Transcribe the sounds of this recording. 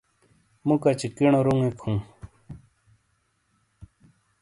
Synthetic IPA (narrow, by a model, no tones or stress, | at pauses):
mukat͡ɕikiɳoɾuŋekʰhũː